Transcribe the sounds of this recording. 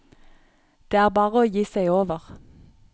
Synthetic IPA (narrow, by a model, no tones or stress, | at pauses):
d̪̥eːæːʁbɑːʁəoːjiːsæɪoːʋəʁ